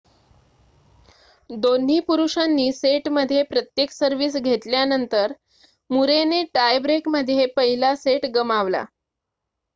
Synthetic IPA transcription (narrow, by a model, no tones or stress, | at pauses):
d̪on̤iːpuɾuʂanːiːseʈməd̪ʱːjepɾət̪jeksəɾʋiːsɡʱet̪ljanənt̪əɾ | muɾeneʈajbɾekməd̪ʱːjepəɦilaseʈɡəmaʋla̰